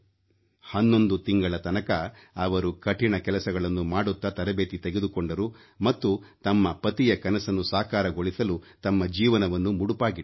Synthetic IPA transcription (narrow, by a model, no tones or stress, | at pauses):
hɐnːond̪ut̪iŋɡɐɭɐt̪ɐnɐkɐ | ɐʋɐɾukɐʈiɳɐkɛlɐsɐɡɐɭɐnːumaːɽut̪ːɐt̪ɐɾɐbeːt̪it̪eɡed̪ukoɳɖɐɾu | mɐt̪ːut̪ɐmːɐpɐt̪ijɐkɐnɐsɐnːusaːkaːɾɐɡo̞ɭisɐlut̪ɐmːɐd͡ʒiːʋɐnɐʋɐnːumuɽupaːɡi